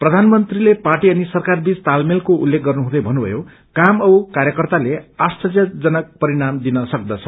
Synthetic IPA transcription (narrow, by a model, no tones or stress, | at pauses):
prʌd̪ʱanmʌnt̪rilepaʈiʌnisʌrkarbit͡st̪almelkoulːek̚ɡʌrnuɦũd̪ʌjbʱʌnubʱʌ̰jo | kamʌbukaɾjʌkʌrt̪aleastʌd͡zjʌd͡zʌnʌk̚pʌɾiɽ̃amd̪inʌsʌk̚d̪ʌt͡sʰʌ